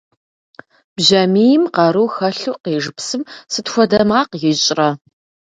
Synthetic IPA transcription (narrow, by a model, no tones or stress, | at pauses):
b̥ʑɐmiːjɪmqɑɾuːxɐɬuːqeːʐɨpsɨmsɨtxʷɔdɐmaːqjɪɕʼrɐ